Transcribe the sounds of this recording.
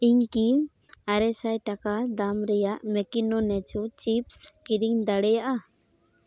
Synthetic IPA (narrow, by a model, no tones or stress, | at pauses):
iɲki | aɾɛsajʈakad̪amɾɛjaʔmɛkinɔnɛt͡ʃut͡ʃipskiɾiŋd̪aɽɛjaʔa